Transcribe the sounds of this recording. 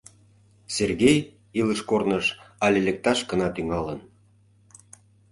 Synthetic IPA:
serɣej | iləʃkornəʃɑlʲelʲek̚t̪ɑʃkə̆nɑt̪yŋɑlən

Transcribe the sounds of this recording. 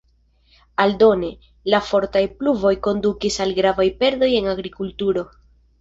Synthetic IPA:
aldo̞ne̞ | lafo̞ɾtajpluvo̞jko̞ndukisalɡɾavajpe̞ɾdo̞je̞naɡɾikultuɾo̞

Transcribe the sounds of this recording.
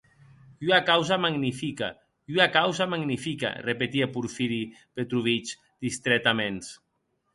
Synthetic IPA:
uakawzamaɡnifika̰ | uakawzamaɡnifika̰repet̪iapuɾfiɾipet̪ɾuβit͡ʃ | d̪̥ist̪ɾɛt̪amẽns

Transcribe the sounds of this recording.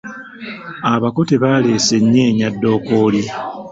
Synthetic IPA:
aβakoteβale̞ːse̞ɲːeːɲadːo̞ːkoːli

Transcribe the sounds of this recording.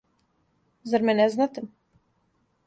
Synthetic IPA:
zaɾmʲɛnʲɛznat̪im

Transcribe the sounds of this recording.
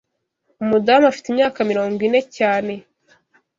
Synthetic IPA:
umudaːmafi̥timɲaːkamiɾo̞ːŋɡwine̞caːne̞

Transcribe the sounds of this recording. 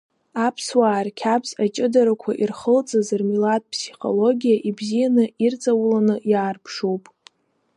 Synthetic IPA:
apʰswaːrkʲʰabzat͡ʃʼɪdaɾakʷʰa̰ʔirχəlt͡sʼazɨrmilat̚ʼpʰsiχo̞̰lo̞ɡʲijaʔibzijanɨirt͡sʼawlanɨjaːrpʰʂowpʼ

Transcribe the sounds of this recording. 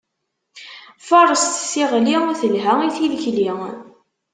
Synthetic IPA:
fəɾˤəst̪sːiʁliθəlɦæiθiðəçli

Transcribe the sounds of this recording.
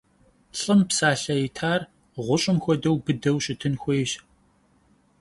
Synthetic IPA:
ɬʼɨmpsaːɬɐjɪtʰaːr | ʁʷʊɕʼɪmxʷɔdɐwbɨdɐwɕɪtʰɨnxʷeːjɕ

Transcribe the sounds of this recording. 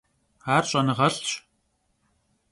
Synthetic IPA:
aːrɕʼɐnɨʁɐɬɕʼ

